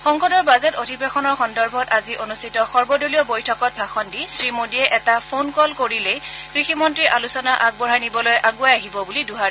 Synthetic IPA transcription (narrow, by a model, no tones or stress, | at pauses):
xɔŋxɔdɔɹbazɛtodʱibexɔnɔɹxɔndɔɹbʱɔtaziʔonustʰitɔxɔɹbɔdolijɔbojtʰɔkɔt̚bʱaxɔndisɹimodiɛʔɛtapʰonkɔlkoɹilejkɹiximɔntɹiʔalusɔnaʔaɡ̚bɔɹajnibɔlojʔaɡuajaɦibɔbuliduɦaɹ